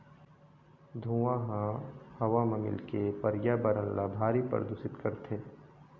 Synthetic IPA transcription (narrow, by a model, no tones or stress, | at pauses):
d̪ʱuãɦãhɐʋamɐmɪ̰lkepɐɾjabəɾə̃nlabʱaːɾipɐ̰ɾd̪ʊsɪt̪kɐɾt̪ʰeː